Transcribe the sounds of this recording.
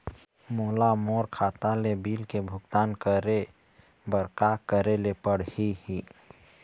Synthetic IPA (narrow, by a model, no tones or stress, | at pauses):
moːlamoːɾkʰaːt̪alebiːlkebʱʊɡt̪aːnkəɾe | bəɾkakəɾelepəɽhihi